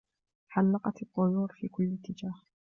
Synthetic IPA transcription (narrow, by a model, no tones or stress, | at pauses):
ħalːɑqɑt̪ɑt̪ˤːʊjuːɾfiːkʊlːɪt̪ːɪd͡ʒaːh